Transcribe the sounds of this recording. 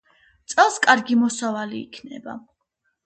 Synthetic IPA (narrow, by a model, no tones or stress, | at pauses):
t̪sʼɛlˠskʼaɾɡimɔsavaliːkʰnɛ̰ba̰